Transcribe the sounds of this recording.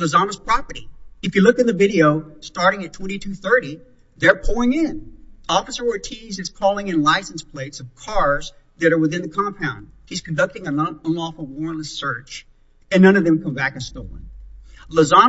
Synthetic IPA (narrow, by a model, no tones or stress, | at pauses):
ləzɑnəz̥pʰɹ̥ɑpə˞ɾḭɨfjɨlʊkɨt̪̚ðɨvɪɾioʊstɑɹɾɪ̃ŋɨtʰw̥ɛ̃ɾ̃itʰʉθɜ˞ɾi | ðə˞pʰʊɹɪ̃ŋɪ̃nɔfəsə˞wə˞tʰizɨz̥kʰɔlˠɪ̃ŋɨ̃nlaɪsn̩spʰl̥eɪtsʌv̥kʰɑɹz | ðɨɾə˞wəθɪ̃nðɨkʰɑ̃mpʰãʊ̃nd̥̚hiz̥kʰn̩dʌk̚tɪ̃ŋɨ̃nʌ̃nlɔfl̩ˠwɔɹnləsɜ˞t͡ʃ | ɨ̃nːʌ̃ñʌvðɨ̃mkʰʌ̃mbækɨstoʊlˠɪ̰̃ŋləzɑn